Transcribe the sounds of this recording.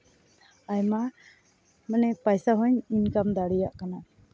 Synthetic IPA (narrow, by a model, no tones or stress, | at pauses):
ajma | manɛpajsaɦɔɲiɲkamd̪aɽijaʔkana